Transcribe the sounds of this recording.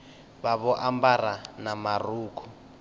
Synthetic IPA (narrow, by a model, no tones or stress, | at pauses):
βaβɔʔambaranamaruːkʰu